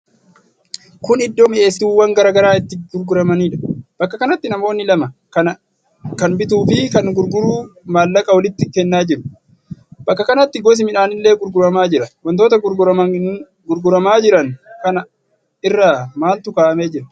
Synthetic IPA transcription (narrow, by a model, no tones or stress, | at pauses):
kʊnɪd̪ːoːmɪe̞ːst̪uːwːɐŋɡɐɾaːɡɐɾaːɪt̪ːɪɡʊɾɡʊɾɐmɐniːᶑɐ̥b̥ɐkːɐkɐnɐt̪ːɪnɐmoːnːɪlɐmɐ | ɐ | kɐnbɪt̪̬uːfɪkɐnɡʊɾɡʊɾuːmaːlːɐkʼɐwɐlɪt̪ːɪkeːnːaːd͡ʒɪɾʊ̥ | b̥ɐkːɐkɐnɐt̪ːɪɡɔs̬ɪmɪᶑaːnɪlːeːɡʊɾɡʊɾɐmaːd͡ʒɪɾɐwɐnt̪o̞ːt̪ɐɡʊɾɡʊɐ | ɡʊɾɡʊɾɐmaːd͡ʒɪɾɐŋkɐnɐ | ɪrːaːmaːlt̪ʊkaːʔɐmeːd͡ʒɪɾɐ̥